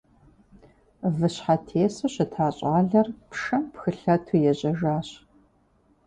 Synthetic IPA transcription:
vɨɕħatʰeːsɐɕɪtʰaːɕʼaːɮɐrpʂɐmpxɨɬɐtʰujɛʑʼɐʒaːɕ

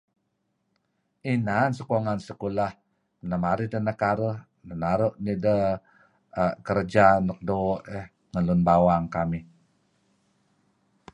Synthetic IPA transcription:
inansəkuaŋansəkulah | nəmaɾidənakaɾəh | nənaɾuʔnidə | kəɾəd͡ʒanək̚doʔɛh | ŋəlunbawaŋkami

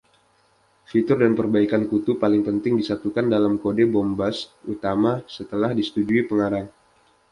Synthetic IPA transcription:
fit̪ʊrdanpərbaikankut̪upalɪŋpənt̪ɪŋdisat̪ukandalamkodebɔmbasut̪amasət̪əlahdisə̥t̪ud͡ʒuipəŋaɾaŋ

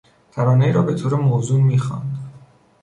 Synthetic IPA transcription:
t̪ʰæɾɒːnejiːɾɒːbe̞t̪ʰoːɾemoːzuːnmiːxɒ̰nd̪̥

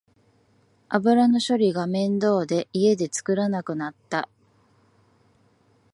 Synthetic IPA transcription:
abɯ̟ɾano̞ɕo̞ɾʲiɡamẽ̞nd̪o̞ːd̪e̞ie̞d̪e̞t͡sɨ̥kɯ̟ɾanakɯ̟nat̪ːa

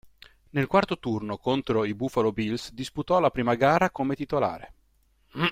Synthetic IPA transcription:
nelkwart̪ot̪urnokont̪ɾoibufalobilsd̪isput̪ɔlapɾiːmaɡaːɾakomet̪it̪ola̰ːɾḛ

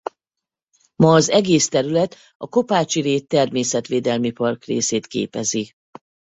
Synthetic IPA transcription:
mɒːzɛɡeːst̪ɛɾylɛt̪ | ɒko̞paːt͡ʃiɾeːt̪ːɛrmeːsɛt̪ʋeːd̪ɛlmipɒrkrḛːseːt̪kḛːpɛzi

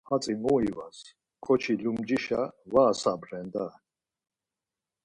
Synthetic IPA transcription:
at͡sʼimuivas | kʰɔt͡ʃʰilumd͡ʒiʃavaːsabɾɛnd̪a

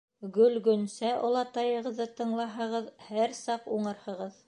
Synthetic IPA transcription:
ɡɵlɡɵ̆nsæʔŏlˠɑt̪ɑjɤ̆ʁɤ̆ðːɤt̪ɤ̆ɴlˠɑɦɤ̆ʁɤðhæɾsɑquɴɤ̆ɾhɤ̆ʁɤð

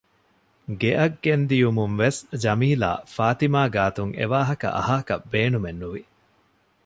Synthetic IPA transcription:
ɡeʔɐɡːend̪ijumuŋʋesd͡ʒɐmiːla̰ːfaːt̪imaːɡaːt̪uŋḛʋaːɦɐkɐ̰ʔɐ̰ɦaːkɐbeːnumenːuʋi

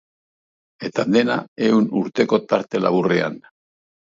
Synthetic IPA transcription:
e̞t̪ad̪e̞nae̞unuɾt̪e̞ko̞t̪aɾt̪e̞la̰βure̞a̰n

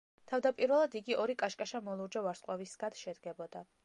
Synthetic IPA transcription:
t̪ʰavd̪apʼiɾvɛlˠad̪iɡiʔɔɾikʼaʃkʼaʃamɔlˠuɾd͡ʒavaɾsqʼwavisɡ̥ad̪ʃɛd̪ɡɛbɔd̪a

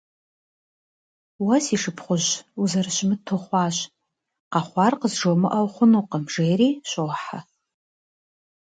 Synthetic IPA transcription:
wɐsiʂɨpʰχʷʊʒuzɐrɨʃmɨtʰoχʷɑːɕ | qɑχʷɑrqəzʐomɨʔɐwχʷʊnuqəmʐejɾiːɕʷʼoːħa

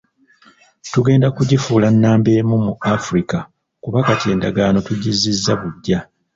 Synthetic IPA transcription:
tuɡe̞ːndakuɟifuːlanːaːmbe̞ːmumuafuɾika | kuβakate̞ːnda̰ɡano̞tuɟizizːaβuɟːa

